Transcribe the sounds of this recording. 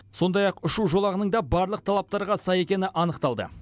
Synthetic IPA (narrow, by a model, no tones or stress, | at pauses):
so̞nd̪ɑjɑqʊʃuʒo̞lˠɑʁənəɴd̪ɑbɑɾlˠəq̚t̪ʰɑlˠɑp̚t̪ɑɾʁɑsɑje̞kʲe̞nɪʔɑnəqt̪ɑlˠd̪ə̰